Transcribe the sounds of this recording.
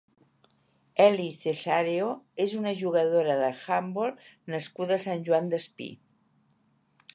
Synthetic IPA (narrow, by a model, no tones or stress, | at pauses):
ɛliθesaɾeoezunəʒuɣ̞əðoɾəðəxambolˠnəskuðəsanʲʒuand̪əspḭ